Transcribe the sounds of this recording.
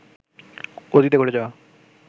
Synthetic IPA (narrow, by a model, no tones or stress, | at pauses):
od̪it̪̬ekoɽed͡ʒaa